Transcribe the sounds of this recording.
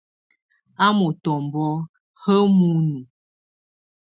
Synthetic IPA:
a˦mo˨tɔ˨m˨bɔ˦ | hə˦mu˦nu˨

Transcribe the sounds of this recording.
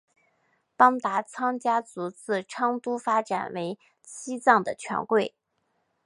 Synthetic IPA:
pɑ˥ŋt̪a˧˥t͡sʰɑ˥ŋt͡ɕja˥t͡su˧˥t͡sɹ̩˥˩ʈ͡ʂʰɑ˥ŋt̪u˥fa˥ʈ͡ʂa̰˨˩nwe˧˥ɪ | t͡ɕʰi˥t͡sɑ˥˩ŋd̪ə˩t͡ɕʰɥɛ̰˧˥nkwe˥˩ɪ

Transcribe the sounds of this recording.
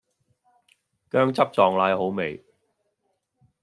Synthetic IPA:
kœː˥ŋt͡sɐ˥p̚t͡sɔː˨ŋlaː˨˧jho˨˥wme˨j

